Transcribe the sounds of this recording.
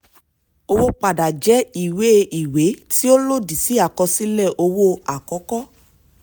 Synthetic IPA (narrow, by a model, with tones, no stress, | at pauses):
o˧wo˦k͡pa˨da˨d͡ʒɛ˨˦i˨we˦˧i˨we˨˦ti˦o˦lo˦˨di˨si˨˦a˦˨kɔ˧si˦lɛ˦˨ʔo˧wo˦a˨kɔ˨˦kɔ˦